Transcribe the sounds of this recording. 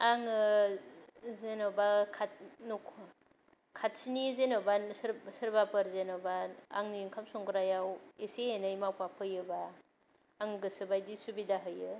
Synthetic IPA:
aŋɯ | zenabakʰat̚nukʰ | kʰat̚sinizenabasɾsɯɾbapɯɾzenawbaa̰ŋniŋkʰamsɔŋkɾajaweseenajmawpapʰɯjɯbaː | ŋɡɯsɯbajdisubidaɦɯjɯ

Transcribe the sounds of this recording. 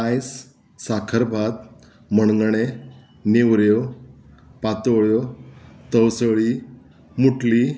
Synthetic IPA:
ajs | sakʰəɾbʱad̪ | məɳŋɡɳ̃e | newɾjo | pat̪oɭjot̪əwsəɭi | muʈli

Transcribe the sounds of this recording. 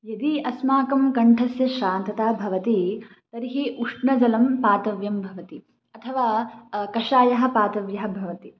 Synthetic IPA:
jɐd̪iɐsmaːkɐmkɐɳʈʰɐsjɐʃaːnt̪ɐt̪aːbʱɐʋɐt̪i | t̪ɐɾiɦiʔuʂɳɐd͡ʒɐlɐmpaːt̪ɐʋjɐmbʱɐʋɐt̪i | ɐt̪ʰɐʋaːkɐʃaːjɐɦɐ̆paːt̪ɐʋjɐɦɐ̆bʱɐʋɐt̪i

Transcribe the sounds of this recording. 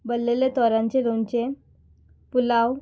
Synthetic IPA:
bəlːelet̪ɔɾãɲt͡ɕeɾont͡ɕe | pulaw

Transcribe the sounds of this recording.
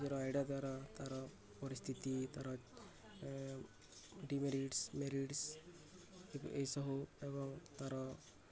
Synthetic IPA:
d͡ʒɔɾɔajɖijad̪waɾat̪aɾɔ | pɔɾist̪ʰit̪it̪aɾɔ | ɖimeɾiɖsmeɾiɖs | ḛesɔɦuebɔŋt̪aɾɔ

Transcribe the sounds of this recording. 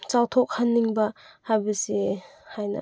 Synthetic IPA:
t͡ʃawtʰok̚hanːiŋbɐhabɐsihajnɐ̰

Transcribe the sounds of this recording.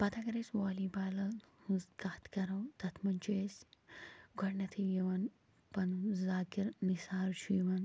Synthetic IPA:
pɐt̪ʰakɐɾesʲʋaːlibaːlɐhuskaːt̪kɐɾɐwt̪ɐt̪ʰmɐnʲt͡ʃʰues | ɡʱɔɽnɐt̪ʰijiʋɐn | pɐnzaːkiɾnisaːlt͡ʃʰujiʋɐn

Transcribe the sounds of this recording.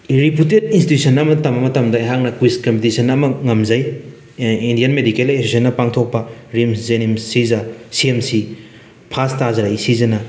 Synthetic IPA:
ɾiputet̚institusʰɐnɐmɐtɐmɐmɐtɐmdɐeɦak̚nɐkwiskɐmpitisʰɐnɐmɐŋɐmzɐj | indijɐnmedikelesesʰɐnːɐpaŋtʰok̚pɐɾimzenimsizɐsiemsi | pʰastazɐɾajsizɐnɐ

